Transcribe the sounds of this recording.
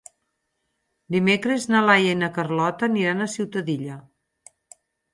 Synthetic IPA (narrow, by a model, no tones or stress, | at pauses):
d̪imekɾeznalajəinəkərlɔt̪əniɾanəsiwt̪əðiʎə